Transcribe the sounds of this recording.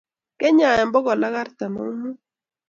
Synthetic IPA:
kɛ˦ɲa˨ɛ˨mbɔ˦ɡɔ˨la˦ka˦ɾt̪a˨ma̰˦ŋ˦mu˦

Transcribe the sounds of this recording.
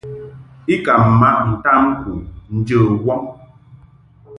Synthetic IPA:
i˦ka˨m̩˨ma˦ʔn̩˨ta˦m˦ku˨n̩˦d͡ʒə˦˨wɔ˦ŋ

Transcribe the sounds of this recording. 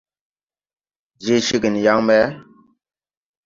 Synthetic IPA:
d͡ʒi˦ʃi˦ɡi˨n˨ja˦ŋmɛ˦

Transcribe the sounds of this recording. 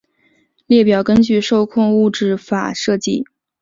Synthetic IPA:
ljɛ˥˩pjɑ˨˩ʊkə˥nt͡ɕy˥˧ʂo˥˧ʊkʰʊ˥˧ŋu˥˧ʈ͡ʂɻ̩˥˩fa̰˨˩ʂɤ˥˧t͡ɕi˥˩

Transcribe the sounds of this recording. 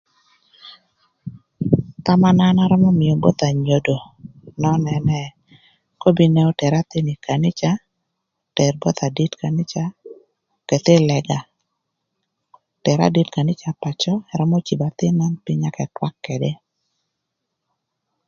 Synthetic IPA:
t̪a˦ma˦na˦na˦ɾɔ˦mɔ˦mɪ˨o˨bo˦t̪a˨ɲo˨do˨ | nɔ˦nɛ˨nɛ˦ | ko˦bi˦nɛ˦ɔ˦tɛ˨ɾa˦t̪e˦ni˨ka˨nɪ˦t͡ʃa˦ | tɛ˨rbɔ˦t̪a˨di˦tka˨nɪ˦t͡ʃa˦ | kɛ˨t̪e˦lɛ˨ɡa˨ | tɛ˨ɾa̰˦di˦tka˨nɪ˦t͡ʃa˨pa˨t͡ʃɔ˦ɛ˨ɾɔ˦mɔ˦t͡ʃi˨ba˨t̪ɪ˦ma˦npɪ˦ɲa˦kɛ˨twa˦kːɛ˨de˦

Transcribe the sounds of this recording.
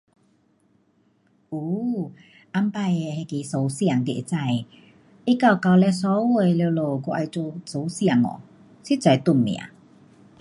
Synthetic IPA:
u˨˧˦ | ʔa˧mpa˧je˧he˧ki˨˧˦so˨˩wsjŋt̪i˧˩˨e˨t͡sa˧˩j | i˦˥ka˧˩wka˧wlɛ˧s̬ɔ˨˧˦wo˧˩jle˧wlo˨˩kɔ˧ʔa˧jt͡so˧so˨˦sja˧˨˩ŋɔ̰˨˩ | si˦˥t͡sa˨˧jt̪u˧˩mmḭ˨a̰˨˦

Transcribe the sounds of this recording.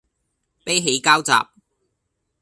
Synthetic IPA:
pe˥jɦe˨˥jkaː˥wt͡sa̰ː˨p̚

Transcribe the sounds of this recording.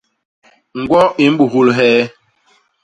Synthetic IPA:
ŋ̩˨ɡwɔ˦i˨m̩˦ɓu˨ɦu˦lɦɛː˦

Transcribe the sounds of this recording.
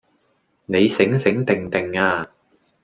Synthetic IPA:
ne˨˧jsɪ˨˥ŋsɪ˨˥ŋt̪ɪ˨ŋt̪ɪ˨˩ŋaː˧

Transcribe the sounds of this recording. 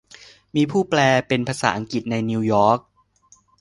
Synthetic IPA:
miː˧pʰuː˥˩plɛː˧pe˧npʰaː˧sa̰ː˩˦ʔa˧ŋki˨˩t̪̚na˧jniː˧wjɔː˦˥k̚

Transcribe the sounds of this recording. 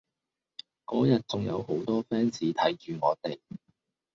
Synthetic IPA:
kɔː˨˥jɐ˨t̚t͡sʊ˨ŋjɐ̰˨˧who˨˥wt̪ɔː˥fɛː˥nt͡siː˨˥t̪ʰɐ˨˥jt͡ʃyː˨ŋɔː˨˧t̪e˨˩j

